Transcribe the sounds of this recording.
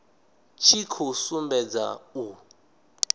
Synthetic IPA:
t͡ʃʰikʰusumbɛd͡za̰u

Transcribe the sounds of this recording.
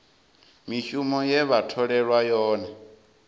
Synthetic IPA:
miʃumɔjɛβatʰɔɺɛɺwajɔːna

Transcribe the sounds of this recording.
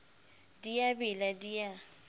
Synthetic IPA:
diabɪladija

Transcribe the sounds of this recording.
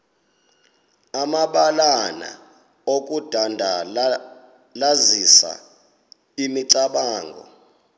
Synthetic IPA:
amaɓalana̰ | okʼud̥ʱandʱa | lazisa̰ | imiǀaɓaːŋɡʱɔ̰

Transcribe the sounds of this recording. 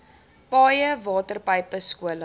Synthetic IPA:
pɑːjəvɑːtərpəjpəskuələ

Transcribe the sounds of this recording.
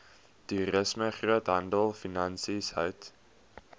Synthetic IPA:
tuɾəsməχruətɦɐndəlˠfinɐnsishœ̰wt

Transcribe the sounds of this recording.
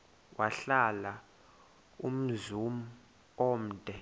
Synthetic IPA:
wʔaɬala | um̩zum̩ | om̩ːd̥ʱɛ

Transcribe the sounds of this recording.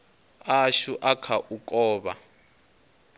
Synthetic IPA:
aʃuʔakʰaʔukʼɔːβa̰

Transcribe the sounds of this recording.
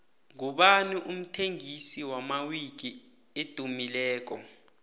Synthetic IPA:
ŋuɓaniʔum̩tʰeŋisiwamawik̬i | ed̥ʼʱumilɛːk̬ɔ̰

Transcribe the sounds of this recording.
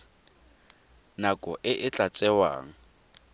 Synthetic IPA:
nakʼɔʔɪʔɪt͡ɬʼat͡sʼɛwa̰ːŋ̩

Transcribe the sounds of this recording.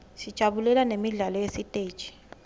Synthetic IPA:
sid̥ʒ̥ʱaβulɛlanemiɮalɔjesitʼeːd̥ʒ̥ʱi̥

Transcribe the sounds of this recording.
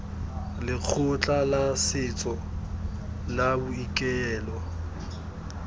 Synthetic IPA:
lɪk͡xʰʊt͡ɬʼalasɪt͡sʼɔ | labʊikʼɛɛːlɔ

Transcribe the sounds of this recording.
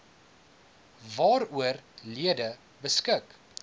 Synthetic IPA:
vɑːɾuərliədə | bəskək

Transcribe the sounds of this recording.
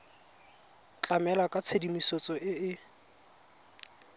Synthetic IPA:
t͡ɬʼamɛlakʼat͡sʰedimisot͡sʼɔʔɪɪ

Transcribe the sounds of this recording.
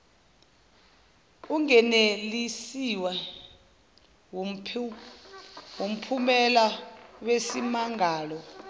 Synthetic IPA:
uŋɛnelisiwa | wom̩pʰumɛlawesimaŋɡʱaːlɔ

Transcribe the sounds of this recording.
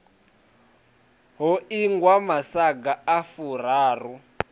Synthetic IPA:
ɦɔiŋɡwamasaɡaafur̤aːru

